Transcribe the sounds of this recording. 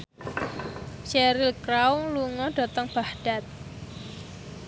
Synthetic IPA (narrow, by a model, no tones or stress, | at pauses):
ʃɛɾilkɾawluŋɔɖ̥ɔ̤t̪ɔŋb̥ahɖ̥a̤t̪̚